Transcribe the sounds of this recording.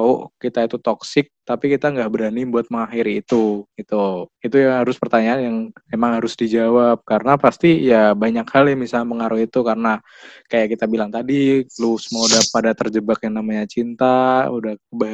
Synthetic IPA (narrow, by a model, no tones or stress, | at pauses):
ao̰ʔkit̪ait̪ut̪oksɪk̚t̪apikit̪aŋɡaʔbəɾanibuat̪̚məŋahɪɾit̪uɡit̪uit̪ujaŋɦaɾʊspərt̪aɲaːnjaŋemaŋhaɾʊsdid͡ʒawap̚kaɾənapast̪ijabaɲakhaljamisalɲaməŋaɾuhit̪ukaɾəna | kajaʔkit̪abilaŋt̪adilusəmaudahpadat̪ərd͡ʒəbakjaŋnamaɲat͡ʃint̪audahəba